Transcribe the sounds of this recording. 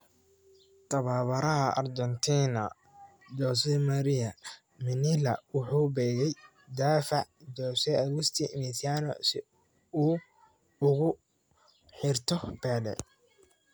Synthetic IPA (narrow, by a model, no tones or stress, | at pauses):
t̪ʰɐβaːβɐɾɐɦɐʔɐ̰rd̪ɔnt̪ʰiːnɐ | d̪ɔːsɛmɐɾɪɐ | mɪnɪlɐwʊħuːbɛːɣɛj | d̪aːfɑʕd̪ɔːsɛɐɣʊst̪ʰiʔnɪsaːnɔ̰sɪ | ʊ | ʊɣʊ | ħɪrt̪ʰɔbɛːlɛ̰